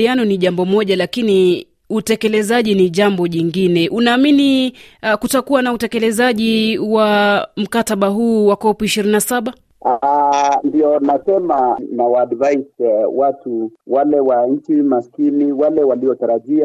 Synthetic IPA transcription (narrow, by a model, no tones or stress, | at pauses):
ianɔniʄambɔmɔʄalakini | utɛkɛlɛzaʄiniʄambɔʄiŋɡinɛʔunaːminikutakuwanautɛkɛlɛzaʄiwam̩kataɓaɦuːwakɔpuiʃiɾinnasaɓa | andiɔnasɛmanawaːdvajswatuwalɛwaɲ̩t͡ʃimaskiniwalɛwaliɔtaɾaʄia